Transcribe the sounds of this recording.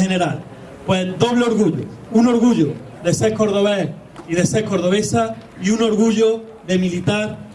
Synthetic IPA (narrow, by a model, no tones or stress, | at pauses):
hene̞ɾal | pwed̪o̞β̞leo̞ɾɣuʎo̰ | uno̞ɾɣuʎo | ðeseɾko̞ɾð̞o̞βeh | ið̞e̞se̞ɾko̞ɾðo̞β̞esa | iuno̞ɾɣuʎo | ðe̞milit̪aɾ